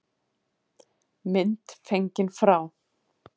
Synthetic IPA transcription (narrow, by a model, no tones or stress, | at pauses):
mɪnt̪feɲcɪnfɾaw